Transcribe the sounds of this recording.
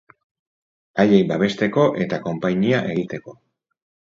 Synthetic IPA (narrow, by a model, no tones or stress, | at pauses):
aʎejbaβe̞st̪e̞ko̞ʔe̞t̪ako̞mpajɲiaʔe̞ɣit̪e̞ko̞